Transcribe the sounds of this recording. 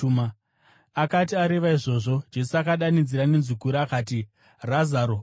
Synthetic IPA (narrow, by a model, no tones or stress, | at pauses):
ma | akatiaɾe̞ʋaiʐo̞ʐo̞d͡ʒe̞suakaɗanid͡ziɾanenzukuɾaːkaːti | razaɾo